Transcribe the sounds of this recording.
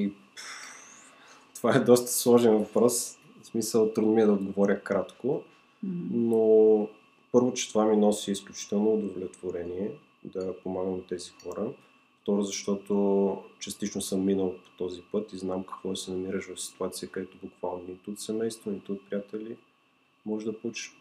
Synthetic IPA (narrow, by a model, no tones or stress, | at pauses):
i | t̪ovaɛd̪ɔst̪ə̥slˠɔʒɛnvɐpɾɔs | smisəlˠt̪ɾud̪miɛd̪ɐod̪ɡovɔɾʲəkɾat̪ko | no | pɤɾvot͡ʃɛ̥t̪ovaminɔsiːsklʲut͡ʃi̥t̪ɛlˠnoːd̪ovlʲɛt̪voɾɛniɛ | d̪ɐpomaɡəmnɐt̪ɛzixɔɾə | ft̪ɔɾʊzɐʃt̪ɔt̪ot͡ʃɐst̪it͡ʃnosəmːinəlˠpo̥t̪ɔzipɤt̪iznamkɐ̥kvɔsɛnɐmiɾəʃvɐfsi̥t̪uat̪sijəkɐd̪ɛt̪ʊbukvalˠnonit̪ːt̪sɛmɛjst̪vonit̪oːt̪̚pɾijat̪ɛlʲi | mɔʒd̪ɐpout͡ʃə̥ʃ